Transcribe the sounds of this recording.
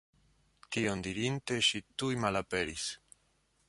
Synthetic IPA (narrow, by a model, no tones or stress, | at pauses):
tiondiɾinte̞ʃitujmalape̞ɾis